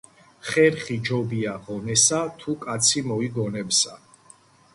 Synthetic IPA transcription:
χɛɾχid͡ʒɔbiaʁɔnɛsat̪ʰukʼat̪sʰimɔiɡɔnɛbsa

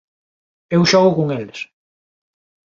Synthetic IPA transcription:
ewʃɔɣʊkoŋeles

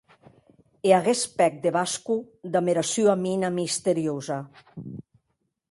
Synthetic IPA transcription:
eaɣespɛk̚d̪eβasku | d̪ameɾasjuaminamist̪eɾioza

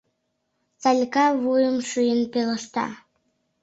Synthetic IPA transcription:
t͡salʲkɑvujəmʃujənpeləʃt̪ɑ̰

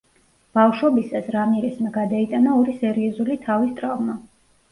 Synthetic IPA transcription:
b̥afʃwɔbisasɾamiɛɾɛsmɛɡad̪ait̪ʼanaɔɾisɛɾiɔzulit̪ʰavist̪ʼɾavma

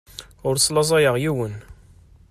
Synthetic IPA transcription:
ʊɾsˤlɑzˤɑjəʁjiwən

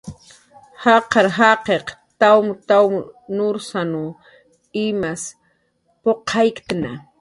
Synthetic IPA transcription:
hɑqɑɾɦɑqeqt̪awmt̪awmnʊɾsanu | ɪmas | poqʰɑjkt̪ana

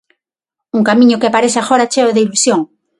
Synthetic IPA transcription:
uŋkamĩɲʊkɪapaɾeθaxɔɾat͡ʃeoðeilusjoŋ

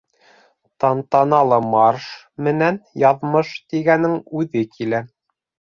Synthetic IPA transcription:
t̪ɑnt̪ɑnɑlˠɤmɑrʃ | mɘ̆nænjɑðmɤʃt̪iɡænɘŋʉðɘkʰilæ

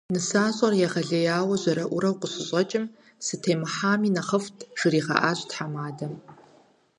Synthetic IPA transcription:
nɨsaːɕʼɐrjɛʁɐɮɐjaːwɐʑɐɾɐʔʷʊɾɐwqʷʊɕɪɕʼɐt͡ʃʼɪm | sɨtʰeːmɨħaːmiːnɐχɐftʰʒ̥ɨriːʁɐ̰ʔaːɕtħamaːdɐm

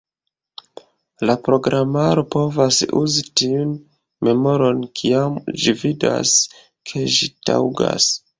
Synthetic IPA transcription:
lapɾo̞ɡɾʔamaɾo̞po̞vasṵzitiun | me̞mo̞ɾo̞nkʰiamd͡ʒivida̰s | kʰe̞ʒita̰wɡa̰s

